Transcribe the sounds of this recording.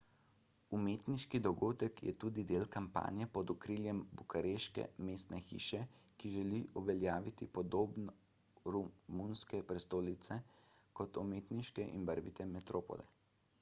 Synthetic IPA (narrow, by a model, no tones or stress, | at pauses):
umeːt̪niʃkid̪ɔɡoːd̪əkjɛ̰t̪uːd̪id̪eːlkampa̰ːnjɛpɔd̪ukɾiːljɛmbukaɾeʃkɛ̰meːst̪nɛxḭːʃɛkiʒɛliʔuʋɛljaːʋit̪ipɔd̪oːbn | ɾumunskɛpɾɛst̪oːlit̪sɛkɔt̪umeːt̪niʃkɛʔḭnbəɾʋit̪ɛmɛt̪ɾoːpɔ̰lɛ̰